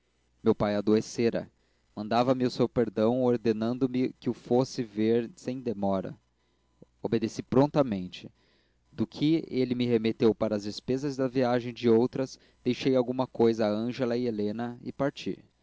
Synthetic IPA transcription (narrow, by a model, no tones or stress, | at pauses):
mewpajɐd̪oeseɾɐ̰ | mɐ̃nd̪avɐmɪʊsewpeɾd̪ɐ̃w̃oɾd̪enɐ̃nd̪ʊmɪkɪʊfosɪveɾsẽj̃d̪emɔɾɐ̰ | obed̪esipɾõnt̪ɐmẽnt͡ʃɪ | d̪ʊkʰɪelɪmɪɦemet̪ewpaɾɐːzd͡ʒɪspezɐzd̪ɐviaʒẽj̃d͡ʒɪowt̪ɾɐs | d̪̥ejʃejawɡũmɐkojzɐːɐ̃ʒelɐɪelẽnɐɪ̰paɾt͡ʃḭ